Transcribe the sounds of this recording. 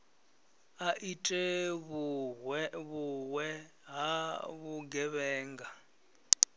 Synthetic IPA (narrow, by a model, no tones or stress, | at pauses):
aʔitʼɛβuɦwɛβuwɛ | ɦaβuɡɛβɛːŋɡa